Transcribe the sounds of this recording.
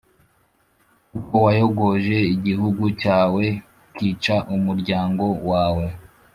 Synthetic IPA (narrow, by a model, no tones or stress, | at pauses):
ukowajo̞ɡo̞ʒe̞iɟiɦuɡucaːwe̞ | kiːt͡ʃaʔumuɾɟaːŋɡo̞waːwe̞